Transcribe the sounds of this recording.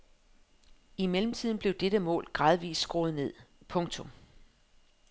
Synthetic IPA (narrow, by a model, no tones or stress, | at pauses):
imelm̩t͡sʰið̰ˠn̩b̥le̝ʊd̥eɾ̥əmɔ̰̽ːlɡ̥ʁɑ̈ːðˠʋḭːsːɡ̥ʁoːð̞̩ˠne̝ð̰ˠpʰɔ̽ŋt͡sʰɔ̽m